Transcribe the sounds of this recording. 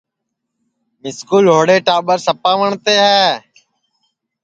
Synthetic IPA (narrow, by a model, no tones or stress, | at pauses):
mɪskuːlɦoːɽeːʈaːɓəɾsəpaːʋəɳt̪eːɦɛː